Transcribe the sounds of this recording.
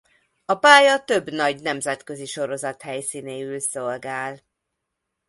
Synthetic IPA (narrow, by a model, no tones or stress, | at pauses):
ɒpaːjɒt̪ø̞bːnɒɟnɛmzɛt̪kø̞ziʃo̞ɾo̞zɒt̪hɛjsiːneːylso̞lɡaːl